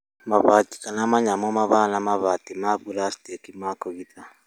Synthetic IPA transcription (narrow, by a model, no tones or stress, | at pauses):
maβati̥kanamaɲamɔmaβanamaβatimaβuɾastekimakɔɣit̪ʰa